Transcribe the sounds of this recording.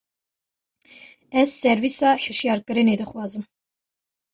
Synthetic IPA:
ɛsːɛɾvisaħəʃijɑɾkʼəɾinid̪əχwazəm

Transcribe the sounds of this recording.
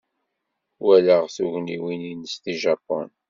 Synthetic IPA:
wæləʁθuʝniwininst̪iʒɑpːɔ̰n

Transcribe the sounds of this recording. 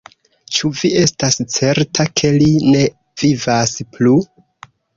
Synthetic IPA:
t͡ʃuvie̞stast͡se̞ɾtʰakʰe̞line̞ | v̥ivasplu

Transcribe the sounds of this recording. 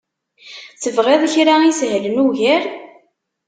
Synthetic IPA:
θəvʁeðˤçɾaisɦlənuʝæɾ

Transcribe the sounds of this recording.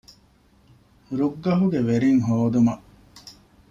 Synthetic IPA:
ɾuɡːɐɦuɡeʋeɾiŋɦoːd̪umɐʔ

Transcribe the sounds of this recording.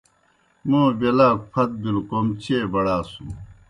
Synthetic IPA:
mõːbelaːk̚pʰɐt̪̚bilkoːmt͡ɕeːbɐɽaːsu

